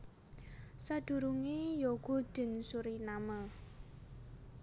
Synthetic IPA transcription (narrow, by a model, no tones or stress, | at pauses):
saɖ̥ṳɾuŋejoɡ̥o̤d̥ə̤nsuɾinamə